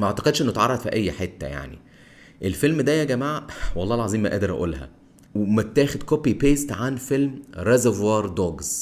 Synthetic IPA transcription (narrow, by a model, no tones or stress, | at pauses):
mæʔʕt̪ɑ̥qed̪ʃʔenːot̪ʕɑrˤːɑd̪ˤfiʔæjːħet̪ːæ̰ja̰ʕnḭ | ʔelfelmd̪æjæɡæmaːʕwɑlˤːɑːelʕɑziːmːæʔæ̰ːd̪eɾʔæ̰ʔṵːlɦæ̰ | wemæt̪ːæːxed̪kopipeːst̪ʕanfelmɾezevwɑɾˤd̪oːɡz̥